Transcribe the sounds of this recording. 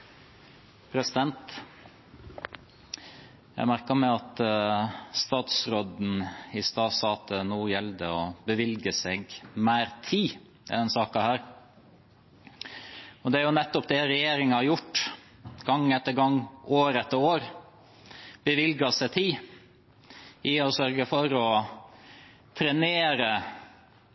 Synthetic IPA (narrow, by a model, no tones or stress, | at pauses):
pʰɾɛsɪd̪ɛnt̪ | jæ̰ɪmæɾkəmɛɑt̪ | st̪ɑːt̪sɾoːd̪n̩ɪst̪ɑːsɑːt̪ənuːjɛld̪əɔbəʋɪlɡəsɛɡmæːɾt̪ʰiː | ɪ̰d̪ɛnsɑːkɑhæːɾ | ɔd̪ɛæɾjʊnɛt̪ːɔpd̪ɛɾɛjeːɾɪŋɑhɑɾjʊʈː | ɡ̥ɑŋːɛt̪ːəɾɡɑŋːʔoːɾɛt̪ːəɾoːɾ | b̥əʋɪlɡɑsɛt̪ʰɪ | ʔɪɔsœɾɡəfɔɾɔ | t̪ʰɾɛneːɾə